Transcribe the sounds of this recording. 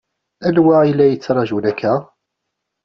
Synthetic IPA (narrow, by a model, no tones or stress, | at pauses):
ænwailːæjət͡sːɾˤɑʒulækːæ